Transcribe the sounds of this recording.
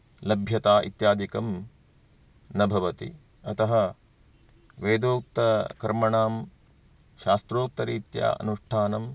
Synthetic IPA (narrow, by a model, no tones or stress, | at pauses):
lɐbʱjɐt̪aːʔḭt̪jaːd̪ʱikɐm | nɐbʱɐʋɐt̪ḭ | ɐt̪ɐɦɐ | ʋeːd̪oːk̚t̪ɐkɐɾmɐɳaːm | ʃaːst̪ɾoːk̚t̪ɐɾiːt̪ja̰ːʔɐ̰nuʂʈʰaːnɐm